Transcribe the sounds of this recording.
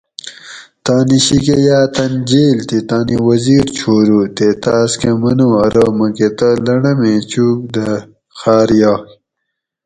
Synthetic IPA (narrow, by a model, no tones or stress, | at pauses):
t̪aːniɕikejaːt̪ɐnd͡ʑeːlt̪it̪aːniwɐziːɾt͡ɕʰoːɾuːt̪et̪aːskemɐnuɐɾɐmɐket̪ɐlɐɳɐmeːt͡ɕuːk̚d̪ɐ | xaːɾjaː